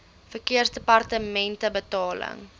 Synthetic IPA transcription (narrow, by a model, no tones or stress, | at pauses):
fərkiərsdəpɐrtəmɛntəbətɑːlə̰ŋ